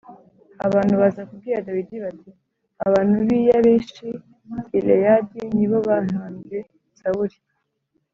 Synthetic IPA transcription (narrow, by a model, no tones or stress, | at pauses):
aβaːn̥huβazakub̚ɡiːɾadawidiβati | aβaːn̥uβiːjaβeːʃi | ilejadiniβoβanaːnze | saβuɾi